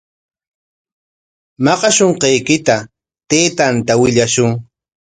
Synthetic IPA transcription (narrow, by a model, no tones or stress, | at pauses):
mɑqɑʃoɴqejkɪt̪a | t̪eːt̪ant̪awɪʎaʃʊŋ